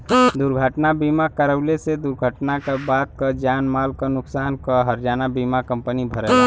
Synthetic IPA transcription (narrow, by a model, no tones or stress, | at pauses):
d̪ʊɾɡʱəʈnabiːmakəɾəʊlesed̪ʊɾɡʱəʈnakabaːt̪̚kad͡ʒaːnmaːlkanʊksaːnkəɦəɾd͡ʒaːnabiːmakə̃mpənibʱəɾə